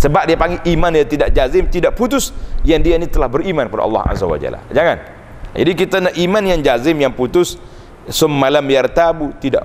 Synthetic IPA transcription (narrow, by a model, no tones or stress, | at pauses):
səbap̚diapaŋɡiʔimãnjat̪idaʔ̚d͡ʒazɪmt̪idaʔ̚put̪ʊsjandianit̪əlahbəɾimãnkəpada̰ʔɑ̰lːɑ̰a̰za̰wa̰d͡ʒa̰la̰d͡ʒaŋan | d͡ʒa̰dikit̪anakimãnjaŋd͡ʒazɪmjaŋput̪ʊs | səmːalamjart̪abut̪ida̰ʔ